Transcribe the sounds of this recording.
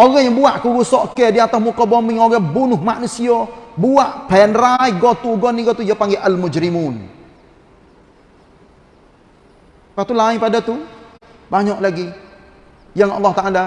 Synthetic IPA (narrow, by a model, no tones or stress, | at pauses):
ʔoɣajaŋbuaʔkuɾusɔʔkɛdiat̪asmukɔbɔmɪŋoɣɛbunʊhmaʔnusiɔbuaʔpɛnraiɡot̪uɡɔniɡɔt̪ujapaŋɡɛʔalmud͡ʒɾimun | pat̪ulainpadat̪u | baɲɔʔlaɡi | jaŋɑ̰lːɑht̪aʔala